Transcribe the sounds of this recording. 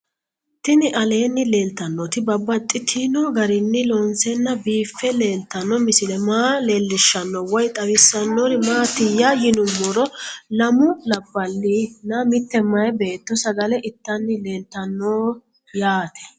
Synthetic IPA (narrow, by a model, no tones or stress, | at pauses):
t̪ɪnɪʔɐle̞ːnːɪle̞ːlt̪ɐnːot̪ɪbɐbːɐt̪ʼːɪt̪ʰinoɡɐɾɪnːɪloːnsɛnːɐbiːfːɛle̞ːlt̪ːɐnːɔmɪsɪlɛmaːle̞ːlːɪʃːɐnːɔwɔjt̪ʼɐwɪsːɐnːoɾɪmaːt̪ɪjaːjɪnʊmːɔɾɔlɐmʊlɐbːɐlːɪnɐmɪt̪ːɛmɐjɛbe̞ːt̪ːɔsɐɡɐlɛʔɪt̪ːɐnːɪle̞ːlt̪ːɐnːoː | jaːt̪ʰɛ̥